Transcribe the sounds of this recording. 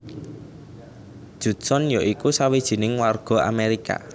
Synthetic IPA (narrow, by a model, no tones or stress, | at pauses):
d̥ʒ̥ṳ̥sɔnjɔʔikusawid̥ʒ̥i̤nɪŋwarɡ̥ɔ̤a̰meɾika̰